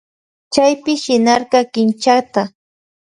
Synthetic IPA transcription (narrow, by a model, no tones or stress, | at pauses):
t͡ʃajpɪʃɪnɑɾɢɑkɪnt͡ʃat̪a